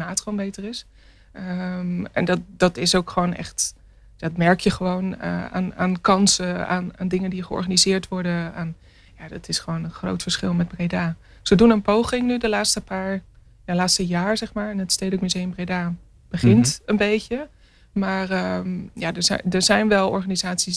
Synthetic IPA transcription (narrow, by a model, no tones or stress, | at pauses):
maːtχonbejtərɪs | əɛ̰ndɑt̚dɑtɪsowkχəʋownɛ̰χt | jadtmɛɹkjəχəʋownə̰a̰ːna̰ːnkɑnsəa̰ːna̰ːndɪŋəndiχəɔ̰ɹχanizɪːɹtʋɔɹdəaːn | jaːdɑtɪsχəʋownənχro̰wtfəɹsχɪlˠmɛd̚brejdaː | z̥ədunənpowχɪŋnydəlaːtstəpaːɹ | jalaːtstəjaːɹzɛχmaːɹɪnətstejdəkmyzejəmbrejdaː | b̥əχɪntənbejcə | maːrəjaːdəɹzɛ̰dəɹzɛjnʋɛlˠɔ̰ɹχaːnizaːtsis